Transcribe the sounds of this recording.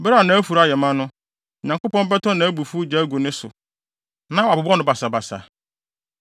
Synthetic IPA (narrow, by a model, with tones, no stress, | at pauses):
bɾa˦˨nã˨˦æ˦fu˨ɾa˦˨jɛ˨mã˦nʊ̃˦˨ | ɲã˨ŋko˦pɔ̃˦m˦bɛ˦tʰɔ̃˦nã˨˦æ˦bu˨fu˦d͡ʑa˦ɡo˨nɪ̃˦sʊ̰˨ | nã˦wbʊ˨bɔ˦nʊ̃˦ba˨sa˨ba˨sa̰˨